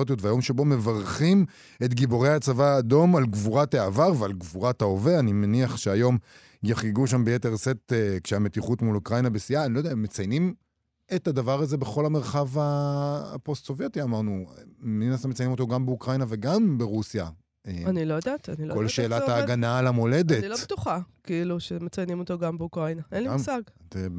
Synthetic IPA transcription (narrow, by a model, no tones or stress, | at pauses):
ot̬ijotveajo̞mʃebo̞me̞vaʁχim | etɡibo̞ʁejhat͡savaːdo̞malɡvuʁataːvaʁvealɡvuʁataoveanimeniaχʃeajo̞m | jaχiɡuʃambejete̞ʁsetekʃeametiχutmulukʁajnabesiaːnilodeaemːet͡sajnim | etadavaʁaze̞be̞χo̞lame̞ʁχava̰ː | po̞st̪so̞vjetiamaʁnuninastamet͡sajnimo̞t̪̬o̞ɡambeukʁajnave̞ɡambeʁusja | eanilojod̪aːtanilokolʃeːlataːɡanalamo̞le̞detilot̪uχakiiluʃemet͡sajnimo̞t̪oɡambeukʁajnaʔenlisaɡte